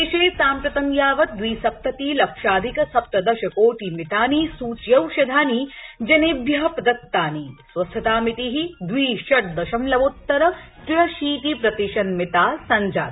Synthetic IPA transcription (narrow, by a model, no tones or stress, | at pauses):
iʃeːsaːmpɾɐt̪ɐŋjaːʋɐt̪̚d̪ʋiːsɐp̚t̪ɐt̪iːlɐkʃaːd̪ʱikɐsɐp̚t̪ɐd̪ɐʃɐkoːʈimit̪aːniːsuːt͡ʃjɐwʃɐd̪ʱaːnid͡ʒɐneːbjɐɦɐpɐd̪ɐt̪ːaːniːsʋɐst̪ʰːɐt̪aːmit̪iɦid̪ʋiːʃɐʈ̚d̪ɐʃɐmlɐʋot̪ːɐɾɐt̪ɾɐʃiːt̪ipɾɐt̪iʃɐnmɪt̪aːsɐɲd͡ʒa̰ːt̪